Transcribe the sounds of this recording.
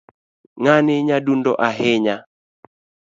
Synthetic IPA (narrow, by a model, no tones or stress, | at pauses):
ŋanɪɲadundɔʔaɦɪɲa